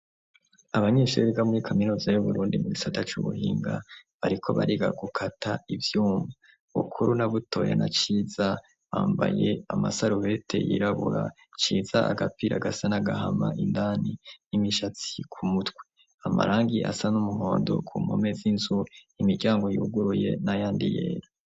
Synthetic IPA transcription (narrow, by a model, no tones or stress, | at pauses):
aβaɲeːʃueɾiɡamuɾikʰaminuːzajuβuɾuːndimuɡisatat͡ʃṵβṵhiːŋɡa̰βaɾikʰo̞βa̰ɾiɡa̰ɡukʰatʰaivjuːmva | βṵkʰuɾunaβuto̞ja̰nat͡ʃiːza | βaːmbaje̞amasaɾuhe̞tʰe̞̰jḭɾaβuɾa | t͡ʃiːzaʔaɡapiɾaɡasanaɡaɦamaʔindaːninimiʃat͡si̥kʰumutkwe | ama̰ɾʔaːŋɡiʔasanumuɦoːndo̞̰kʰuːmo̞me̞zinzuimiɾɟaːŋɡo̞juuɡuɾuje̞̰najaːndijeːɾa